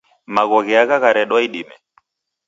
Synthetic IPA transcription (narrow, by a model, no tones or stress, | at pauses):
maɣɔɣɛaɣaɣaɾɛɗwaiɗimɛ